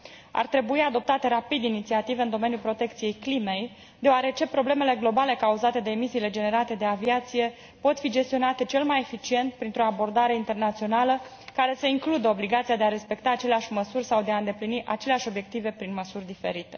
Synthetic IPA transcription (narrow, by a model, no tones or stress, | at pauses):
a̰rt̪ɾe̞buiad̪o̞p̚t̪at̪e̞ɾapid̪init̪siat̪ive̞ɨnd̪o̞me̞nijulpɾo̞t̪e̞k̚t̪sije̞jklime̞j | d̪eoaɾe̞t͡ʃe̞pɾo̞ble̞me̞le̞ɡlo̞bale̞kauzat̪e̞d̪e̞ːmisiːle̞d͡ʒe̞ne̞ɾat̪e̞d̪e̞aviat̪sije̞ | po̞t̪fid͡ʒe̞st̪io̞nat̪e̞t͡ʃe̞lmaje̞fit͡ʃie̞nt̪̚pɾint̪ɾo̞abo̞rd̪aɾe̞int̪e̞rnat̪sio̞nalə | kaɾe̞səiŋklud̪əo̞bliɡat̪siad̪eaɾe̞spe̞kt̪aːt͡ʃe̞leaʃʲməsurʲsawd̪e̞aɨnd̪e̞pliniʔat͡ʃe̞leaʃo̞bje̞k̚t̪ive̞pɾinməsurʲd̪ife̞̰ɾit̪e̞